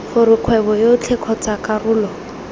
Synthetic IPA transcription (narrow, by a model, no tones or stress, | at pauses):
χʊɾɪq͡χʰwɛbɔjot͡ɬʰɛkʰɔt͡sakʼarʊːlɔ